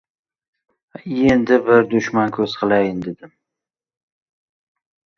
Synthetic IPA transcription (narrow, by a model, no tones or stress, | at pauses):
end̪ɪbɪɾd̪ʊʃmankʲʰɵz̥qʰɨlˠajɪnd̪ed̪ɪm